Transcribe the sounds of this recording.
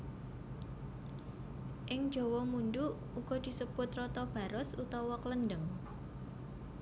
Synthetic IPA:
ʔɪŋ̥d͡ʒ̥o̤wɔmundu | uɡ̥ɔd̪̥i̤səb̥ʊt̪rɔt̪ɔb̥ä̤ɾɔsut̪ɔwɔklənɖəŋ

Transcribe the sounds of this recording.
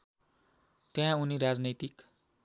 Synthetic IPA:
t̪eɦãuniɾad͡znʌt̪ik

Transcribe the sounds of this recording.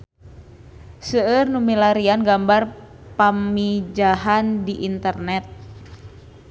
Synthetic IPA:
səːrnumilaɾianɡambar | pamid͡ʒaɦandiʔint̪ərnɛt̪̚

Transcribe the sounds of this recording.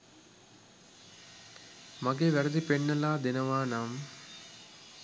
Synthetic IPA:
maɡeːʋæɾɐd̪ipeɳːɐlaːd̪enɐʋaːnam

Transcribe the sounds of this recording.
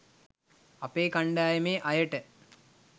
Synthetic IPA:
ɐpeːkɐɳɖaːjɐmeːʔɐjɐʈːɨ

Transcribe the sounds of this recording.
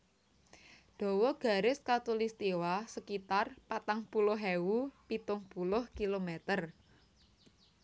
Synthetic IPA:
ɖ̪̥ɔ̤wɔɡ̥a̤ɾɪskat̪ulist̪iwasəkit̪arpat̪aŋpulʊɦɛwupit̪ʊŋpulʊhkilomɛt̪ər

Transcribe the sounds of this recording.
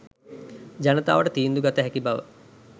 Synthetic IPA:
d͡ʒanət̪a̰ːʋəʈət̪iːnd̪uɡat̪əɦɛkibaʋə̰

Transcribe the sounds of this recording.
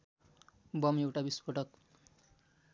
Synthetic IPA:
bʌmewʈabispʌʈʌk

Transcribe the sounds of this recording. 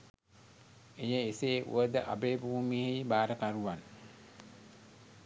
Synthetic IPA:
ejəiseːʔṵʋəd̪əʔa̰beːbuːmihibaːɾəkaɾuʋan

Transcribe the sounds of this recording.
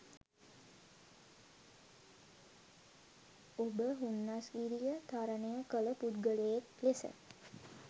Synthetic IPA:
obəɦunːasɡiɾijət̪ʰaɾənejəkələpud̪ɡəlejeklesə̰

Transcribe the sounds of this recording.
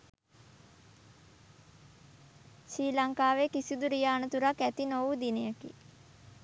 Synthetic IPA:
ʃiːlaŋkaːʋekisiud̪uɾijaːnət̪uɾakæt̪inoʋud̪inejəkḭ

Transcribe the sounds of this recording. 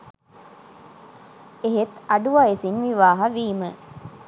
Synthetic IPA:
eɦet̪aɖuʋajesinʋiʋaːɦɐʋiːmə

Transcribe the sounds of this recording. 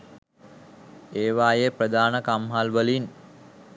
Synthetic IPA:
eːʋaːjeprəd̪aːnəkamɦalʋəlin

